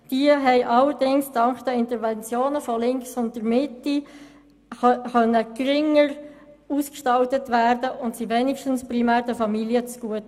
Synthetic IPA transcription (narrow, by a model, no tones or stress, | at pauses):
d̥iəɦɛɪʔɑlːəɾdɪŋsd̥ɑŋkχd̥əɪntəɾʋɛnt͡sjoːnəfɔlɪŋksʊnt̚d̥əɾmɪti | χœnːəkɾɪŋəɾ | uːskʃtɑltətʋæːɾdəʔʊntsiʋɛnɪkʃtən̩sprimæːɾdəfɑmiliət͡sɡ̥uət